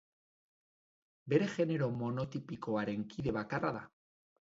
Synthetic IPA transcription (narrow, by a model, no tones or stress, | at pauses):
be̞ɾexe̞neɾomonot̪ipikoaɾe̞ŋkiðe̞βakaraða̰